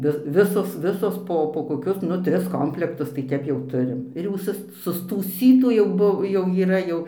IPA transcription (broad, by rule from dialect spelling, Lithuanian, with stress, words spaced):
ˈʋʲɪ ˈʋʲɪsoːs ˈʋʲɪsoːs ˈpoː poː koːˈkʲʊs ˈnʊ ˈtʲrʲɪs ˈkoːmʲpʲlʲɛktʊs tɐɪ ˈtʲɛp jɛʊ ˈtʊrʲɪm ɪr jɛʊ ˈsʊs sʊstuːˈsʲiːtuː jɛʊ ˈbʊ jɛʊ iːˈrɐ jɛʊ